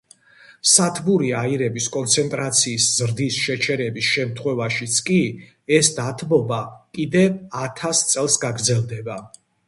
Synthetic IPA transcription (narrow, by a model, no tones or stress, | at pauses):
sat̪ʰbuɾiaiɾɛbiskʼɔnt̪sʰɛnt̪ʼɾat̪sʰiːszɾd̪isʃɛt͡ʃʰɛɾɛbisʃɛmt̪ʰχwɛvaʃit̪sʰkʼi | ɛsd̪at̪ʰbɔbakʼid̪ɛat̪ʰast̪sʼɛlˠsɡaɡɾd̪zɛlˠd̪ɛba